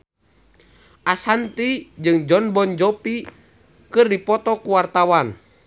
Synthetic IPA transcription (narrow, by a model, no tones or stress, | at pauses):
ʔasant̪id͡ʒɨŋd͡ʒɔnbɔnd͡ʒɔpi | kɨrdipɔt̪ɔkuwart̪awan